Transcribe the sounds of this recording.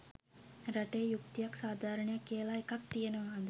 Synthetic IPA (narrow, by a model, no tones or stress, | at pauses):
ɾaʈejːjuk̚t̪ijaksaːd̪ʱaːɾəɳəjakːijəlaekak̪̚t̪ijenəʋaɦãnd̪ə